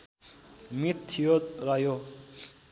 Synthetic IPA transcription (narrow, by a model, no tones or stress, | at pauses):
mit̪ʰːijot̪ɾajo